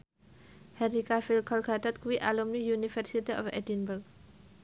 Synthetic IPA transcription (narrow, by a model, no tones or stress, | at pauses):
hɛɾikafilkʰɔlkʰatat̪̚kwiʔalomnijunifɛɾsitiɔ̰fɛ̰dinbəɾɡ̚